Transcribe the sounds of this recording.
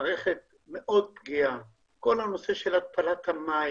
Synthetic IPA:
ʁeχet̪̚ | me̞ʔo̞d̪̚pɡia | ko̞lano̞se̞ʃelat̪̚tʰalat̪hama

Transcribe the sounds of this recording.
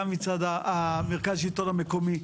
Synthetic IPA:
mit͡sad̪aameʁkazʃit̪o̞name̞komi

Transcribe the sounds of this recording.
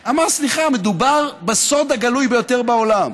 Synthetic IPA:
amaʁsliχamed̪ubaʁbeso̞d̪aɡalujbe̞jo̞t̪eʁbao̞lam

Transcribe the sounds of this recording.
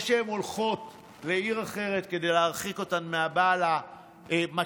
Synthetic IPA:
ʃeemo̞lχo̞t | le̞iʁaχe̞ʁe̞t̪ke̞de̞jleaʁχiko̞tanmeabala | ema

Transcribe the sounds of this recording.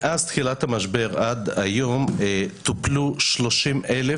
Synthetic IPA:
ʔazt̪χilat̪hamaʃbe̞ʁad̪ajo̞mt̪upluʃlo̞ʃimʔele

